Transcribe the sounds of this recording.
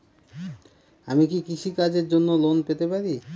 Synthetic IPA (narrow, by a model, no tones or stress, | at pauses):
amikikit͡ɕʰikad͡ʑeɾd͡ʑonːolonpet̪epaɾi